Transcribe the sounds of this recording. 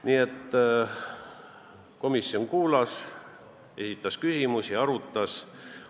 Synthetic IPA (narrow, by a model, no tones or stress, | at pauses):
niːet̪ː | ko̞misːio̞nkuːlɑs | e̞sit̪ːˑɑskysʲimusiɑɾut̪ːˑɑs